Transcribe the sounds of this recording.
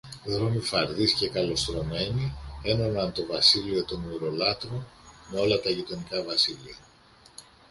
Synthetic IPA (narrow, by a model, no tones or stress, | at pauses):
ðɾo̞mifɐɾðisce̞kɐlo̞st̪ɾo̞me̞nie̞no̞nɐnt̪o̞vɐsilio̞t̪o̞nuɾo̞lɐt̪ɾome̞o̞lɐt̪ɐʝit̪o̞nikɐvɐsiliɐ